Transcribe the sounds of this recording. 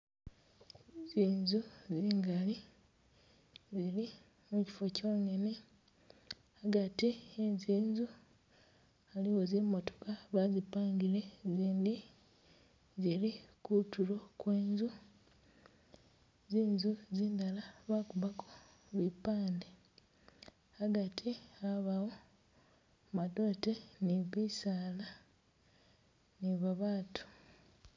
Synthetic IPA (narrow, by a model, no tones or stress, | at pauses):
ziːnzuziiːŋɡali | zili | muci̥fo̞co̞ːne̞ne̞ | aɡatienziːnzu | aliwozimo̞tokaβazipaːŋɡile̞ziːndi | zilikutulo̞kweːnzu | ziːnzuziːndalaβakuβakʰo̥ | βipaːnde | aɡatʰiaβawo | mado̞te̞niβisaːla | niβaβaːtʰu̥